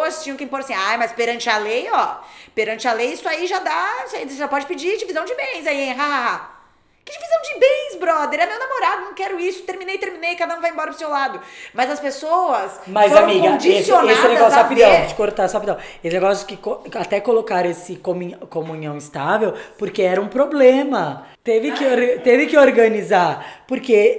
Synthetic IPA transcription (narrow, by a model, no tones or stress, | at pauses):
at͡ʃĩɲʊ̃kɪĩmpoɾasĩajmɐspeɾɐ̃nt͡ʃɪɐlejɔpeɾɐ̃nt͡ʃɪɐlejisʊaiʒad̪aseʒapɔd͡ʒɪpɪd͡ʒid͡ʒivizɐ̃w̃d͡ʒɪbẽj̃zaiẽj̃ɦaa | kɪd͡ʒɪvizɐ̃w̃d͡ʒɪbẽj̃sbɾɔd̪eɾɛmewnamoɾad̪ʊnɐ̃w̃kɛɾʊisʊ̥t̪eɾmĩnejt̪eɾmĩnejkad̪ɐũvajẽbɔɾɐpɾʊsewlad̪ʊmɐzɐspesowɐsmazfoãmiɡ̃kɐ̃d͡ʒiesioneasɪneɡɔsapid̪ɐ̃w̃d͡ʒɪ̥koɾt̪asapid̪ɐ̃w̃esɪneɡɔsjʊkɪkoat̪ɛkolokaɾesɪkomkõmũɲɐ̃w̃ɪst̪avewpoɾkeɛɾɐũpɾoblẽmɐt̪evɪkɪoɾt̪evɪkɪoɾɡɐnizaɾpoɾke